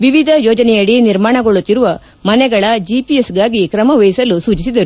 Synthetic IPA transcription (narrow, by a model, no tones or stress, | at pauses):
ʋiʋid̪ʱɐjɔːd͡ʒɐnɛjɐɽiniɾmaːɳɐɡoɭut̪ːiɾuʋɐ | mɐnɛɡɐɭɐd͡ʒipijesɡaːɡikɾɐmɐʋejsɐlusuːt͡ʃisid̪ɐɾu